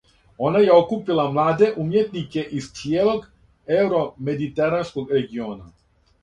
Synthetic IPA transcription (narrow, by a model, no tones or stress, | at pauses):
onajaokupilamlaːd̪eʔumjet̪nikeʔist̪jeloɡ | ewɾomed̪it̪eɾanskoɡɾeɡiona